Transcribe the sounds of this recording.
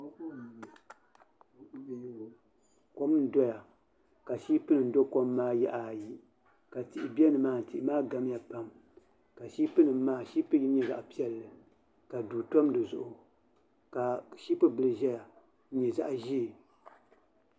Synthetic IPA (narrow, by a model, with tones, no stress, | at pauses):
j | kɔ˦m˦n̩˦dɔ˦ja˨ | ka˨ʃiː˦pɨ˦nɨ˨n̩˨˦do˦kɔ˦mː˦aː˦jɛ̰˦ʔa˨ji˦ | ka˨ti˨ʔɪ˨bi˦ɛ˦nɨ˨maː˦n̩˨ti˨ɪ˨˦maː˦ɡa˦m˦ja˨pa˦m | ka˨ʃiː˦pɨ˦nɨ˨m˦maː˦ʃi˦pɨ˦ji˦ɲɛ˨za̰˨ʔpi˦ɛ˨lːɨ˨ | ka˨duː˨tɔ˦m˦dɨ˨zʊ̰˦ʔʊ˨ | ka˨ʃi˦pɨ˦bɨ˦lɨ˨ʒɛ˦ja˨˦ | ɲɛ˨za̰˦ʔʒi˦˨